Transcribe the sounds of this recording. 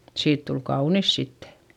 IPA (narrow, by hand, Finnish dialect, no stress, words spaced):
siːt tul kɑunis sitːe̥